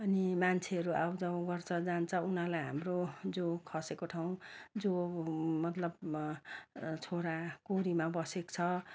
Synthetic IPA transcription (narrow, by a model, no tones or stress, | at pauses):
ʌnimant͡sʰeʌɾuawd͡zaw̃ɡʌrt͡sʰʌd͡zant͡sʰʌunalajɦamrod͡zokʰʌsekoʈʰaw̃d͡zomʌt̪lʌb | t͡sʰoɾakoɾimabʌsekt͡sʰʌ